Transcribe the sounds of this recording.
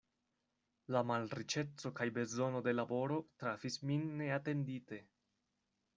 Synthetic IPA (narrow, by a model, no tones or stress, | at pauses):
lamalɾit͡ʃe̞t͡so̞kajbe̞zo̞no̞de̞labo̞ɾo̞tɾafisminːe̞ate̞ndite̞